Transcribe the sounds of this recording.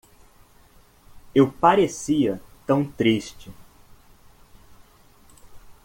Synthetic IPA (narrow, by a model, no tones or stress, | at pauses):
ewpaɾesiɐt̪ɐ̃w̃t̪ɾiʃt͡ʃɪ